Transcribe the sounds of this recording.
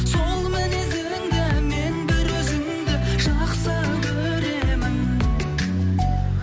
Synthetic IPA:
solˠmɪnezeŋd̪ɪme̞nbɪɾɵzɪm | d̪ɪʒ̥ɑqsə | kʰɵ | ɾe̞mɪn

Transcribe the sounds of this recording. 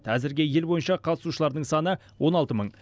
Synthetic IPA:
t̪æzɪɾɡʲe̞je̞lbo̞jənʃɑqʰɑt̪ə̥suʃəlˠɑɾd̪əɴsɑnə | wo̞nɑlˠt̪əməɴ

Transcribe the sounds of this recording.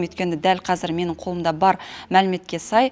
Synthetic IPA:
met̪̚kʲe̞nɪd̪ælqʰɑzɪɾme̞nɪɴqʰo̞lˠəmd̪ɑbɑɾmælɪme̞t̪̚kʲe̞sɑj

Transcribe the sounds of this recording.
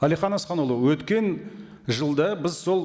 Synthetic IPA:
ælijχɑnɑsχɑnolˠəwɵt̪kʲe̞n | ʒəlˠd̪ɑbɪzso̞lˠ

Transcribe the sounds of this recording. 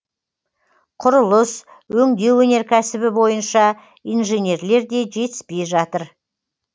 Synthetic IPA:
qʰʊɾʊlˠəs | wɵŋd̪e̞wɵne̞ɾkʲʰæsɪbɪbo̞jənʃɑ | ijnʒe̞nʲe̞ɾle̞ɾd̪e̞ʒe̞t̪ɪspe̞jʒɑt̪əɾ

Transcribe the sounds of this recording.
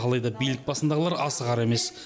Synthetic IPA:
ɑlˠɑjd̪ɑbijlɪk̚bɑsənd̪ɑʁəlˠɑɾɑsəʁɑɾe̞me̞s

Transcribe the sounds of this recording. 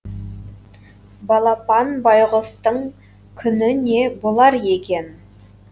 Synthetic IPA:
bɑlˠɑpɑnbɑjʁəst̪əɴ | kʲʰʏnɪne̞bolˠɑɾje̞kʲe̞n

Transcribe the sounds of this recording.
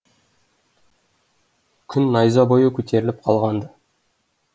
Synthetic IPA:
kʲʰʏnːɑjzɑbo̞jəkʲʰɵt̪ʰe̞ɾɪlɪp̚qʰɑlˠʁɑnd̪ə

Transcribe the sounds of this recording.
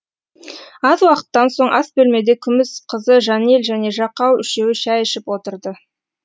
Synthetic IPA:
ɑzwɑqə̥t̪ːɑnso̞ɴʔɑsbɵlme̞d̪e̞kʲʰʏmɪsqʰəzəʒɑne̞lʒæne̞ʒɑqɑwʏʃe̞wɪʃæjɪʃɪpwo̞t̪əɾd̪ə

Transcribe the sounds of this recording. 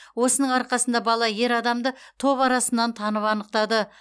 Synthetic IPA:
wo̞sənəɴɑɾqɑsənd̪ɑbɑlˠɑje̞ɾɑd̪ɑmd̪ət̪ʰo̞βɑɾɑsənːɑnt̪ʰɑnəpɑnəq̚t̪ɑd̪ə

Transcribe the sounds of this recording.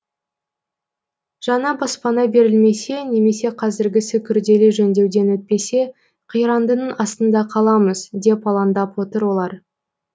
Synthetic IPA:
ʒ̥ɑnɑbɑspɑnɑbe̞ɾɪlme̞se̞ne̞me̞se̞qʰɑzɪɾɡʲɪsɪkʲʰʏɾd̪e̞lɪʒɵnd̪e̞wd̪e̞nwɵt̪̚pe̞se̞ | qʰijɾɑnd̪ənəɴɑst̪ənd̪ɑqʰɑlˠɑməzd̪e̞pɑlˠɑnd̪ɑpwo̞t̪əɾwo̞lˠɑɾ

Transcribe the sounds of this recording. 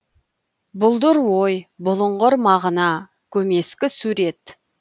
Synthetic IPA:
bʊlˠd̪ʊɾwojbʊlˠəɴʁʊɾmɑʁənɑ | kʲʰɵme̞skʲɪsuɾe̞t̪

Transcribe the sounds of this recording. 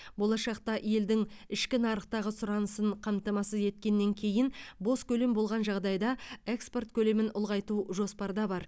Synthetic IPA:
bo̞lˠɑʃɑq̚t̪ɑʔije̞ld̪ɪŋɪʃkʲɪnɑɾəq̚t̪ɑʁəsʊɾɑnəsəɴqʰɑmt̪ɑmɑsəze̞t̪̚kʲe̞nːe̞ŋkʲʰe̞jɪnbo̞skʲʰɵle̞mbo̞lˠʁɑnʒɑʁd̪ɑjd̪ɑe̞kspo̞rt̪kʲʰɵle̞mɪnʊlˠʁɑjt̪uʒo̞spɑɾd̪ɑbɑɾ

